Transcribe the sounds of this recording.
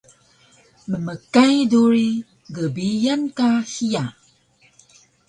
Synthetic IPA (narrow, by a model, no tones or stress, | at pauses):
məməkajduɾi | ɡəbijankahija